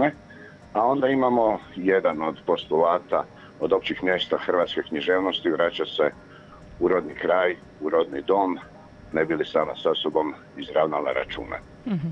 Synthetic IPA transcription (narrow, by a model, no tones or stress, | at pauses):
e | ao̞nd̪aimamo̞jed̪ano̞d̪po̞st̪ulaːt̪a | o̞d̪o̞pt͡ɕixmje̞ːst̪axr̩ʋaːt̪skekɲiʒeːʋno̞st̪iʋɾat͡ɕase̞ | uɾod̪nikɾaːj | uɾo̞d̪nid̪o̞ːm | nebilisaːmasasobo̞m | izɾaʋnala̰ɾʔa̰t͡ʃṵːnḛ